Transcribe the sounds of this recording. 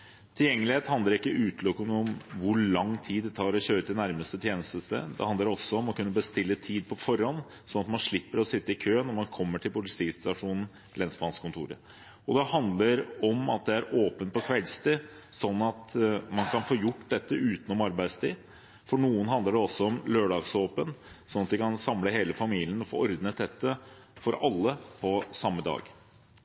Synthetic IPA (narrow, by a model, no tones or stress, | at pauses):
t̪ʰɪljɛŋːəlɪheːt̪hɑnd̪əɾɪkːəʔʉːt̪lɔknɔmʋʊɭɑŋːt̪ʰiːd̪ɛt̪ʰɑːɾɔɕøːɾət̪ɪnæɾməst̪ət̪ʰjeːnəst̪əst̪ə̰d̪ɛ̰hɑnd̪əɖɛɔsːɔɔmɔkʰʉnːəbəst̪ɪlːət̪ʰiːd̪̚pʰɔfɔɾːɔnː | sɔnɑt̪mɑnʂɭɪpːəɾɔsɪt̪ːəɪkʰøːnɔɾmɑnkʰɔmːəʈʰɪlbʊlɪst̪ɪk̪st̪ɑʂuːnn̩ | lɛnsbɑːnskʰʊnt̪ʰṵːɾə̰ | ɔd̪ɛhɑnd̪ləɾɔmɑ̰t̪̚d̪ɛæɾoːpənt̪̚pɔkʰʋɛlst̪ɪ | sɔnːɑt̪mɑnkʰɑnfoːjʊʈːd̪ɛt̪ːəʔʉːt̪nɔmɑɾbæɪd̪st̪ʰiːd̪ | fɔɳuːənɦɑnd̪əɖɛɔsːɔɔmløːɖɑːɡsoːpən | sɔnːɑt̪d̪ɛɪkʰɑnsɑmləheːləfɑmiːlɪənɔfo̰ːɔɾd̪nəd̪ɛt̪ːəfɔɾɑlːəpʰɔsɑmːəd̪ɑ̰ːɡ